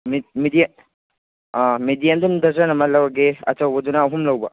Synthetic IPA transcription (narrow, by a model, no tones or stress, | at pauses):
mmidija | midijandundɐzanɐmɐlɐwɐɡeɐ̰t͡ʃɐwbɐdunaɦumlɐwbɐ̰